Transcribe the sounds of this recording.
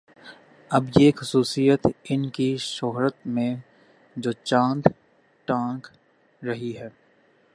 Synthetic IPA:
ɐbjexʊsuːsijət̪ɪnkiʃoɦɾət̪mẽ | d͡ʒoːt͡ʃãːnd̪ | ʈãːk | ɾɐɦiɦɛː

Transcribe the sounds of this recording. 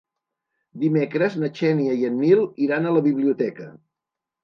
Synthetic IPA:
d̪imekɾəznət͡ʃɛniəiənːilˠiɾanələβiβliut̪ɛkə

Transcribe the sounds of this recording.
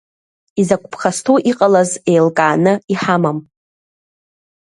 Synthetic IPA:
izakʷʰʼpʰχastʰowʔiqʼalazejlkʼaːnɨiħamam

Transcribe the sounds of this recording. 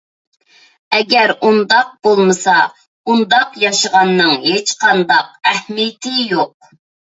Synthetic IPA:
ɛɡʲɛɾund̪ɑq̚b̥olˠmɨsɑ | und̪ɑqjɑʃəʁɑnːɨŋhet͡ʃqʰɑnd̪ɑq̚æhmijt̪ʰɪjoq̚

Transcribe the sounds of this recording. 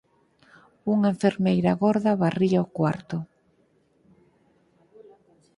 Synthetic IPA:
uŋeɱfeɾmejɾaɣoɾðɐβariaokwa̰ɾt̪ʊ

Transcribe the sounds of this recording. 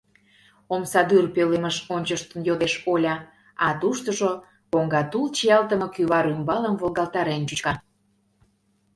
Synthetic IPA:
omsɑd̪yrpøleməʃonʲt͡ɕəʃt̪ənjod̪eʃolʲɑ | ɑt̪uʃt̪əʒo | koŋɡɑt̪ult͡ɕiɑlt̪əmɤ̆kyβɑɾymbɑləmvolˠɣɑlˠt̪ɑɾent͡ɕyt͡ɕkɑ

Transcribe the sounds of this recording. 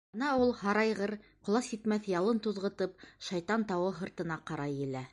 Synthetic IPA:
ɤnɑulˠhɑɾɑjʁɤɾqŏlˠɑsjɘt̪mæθjɑlˠɤnt̪uðʁɤ̆t̪ɤp̚ʃɑjt̪ɑnt̪ɑwɤɦɤ̆ɾt̪ɤ̆nɑqɑɾɑjɘ̆læ

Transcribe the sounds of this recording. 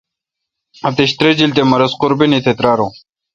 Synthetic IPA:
ɐt̪eɕt̪ɾed͡ʑilt̪̬emɐɾɐsqʊɾbinit̪ʰet̪ɾaːɾõ

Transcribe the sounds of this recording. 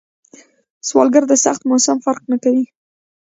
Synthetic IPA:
swɑ̰lɡaɾd̪əsaxt̪mosamfaɾqnakawi

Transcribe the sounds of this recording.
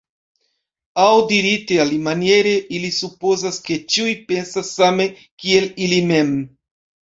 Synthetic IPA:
awdiɾitealimanje̞ɾe̞ʔilisupo̞zaske̞t͡ʃiujpe̞nsasːame̞ | kie̞lilime̞m

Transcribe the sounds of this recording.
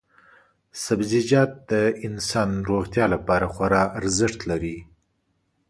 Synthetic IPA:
sabzɪd͡ʒɑt̪̚d̪əɪnsɑnɾoɣt̪jɑlapɑɾaxwaɾɑːɾzɪʂt̪laɾi

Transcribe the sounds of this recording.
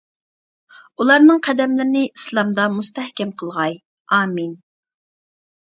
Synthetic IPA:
ulˠɑɾnɨŋqʰæd̪ɛmlɪɾɪnɪʔislˠɑmd̪ɑmust̪ɛhkʲɛmqʰəlˠʁɑj | ɑːmin

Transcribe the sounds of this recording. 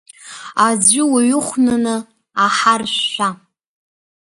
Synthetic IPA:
ad͡zʷɪwaɥʊχʷnɨnɨ | aħarɕːʷa

